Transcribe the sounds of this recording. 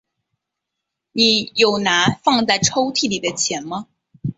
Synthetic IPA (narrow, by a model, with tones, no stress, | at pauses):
ni˨˩˦jo˨˩ʊna˧˥nfɑ˥˧ŋt͡sa˥˩ɪʈ͡ʂʰo˥ʊt̪ʰi˥˩li˨˩d̪ə˦t͡ɕʰjɛ˧˥nmɐ˧